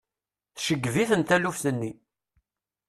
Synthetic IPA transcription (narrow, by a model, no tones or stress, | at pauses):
θʃəɡːviθənt̪ælufθənːi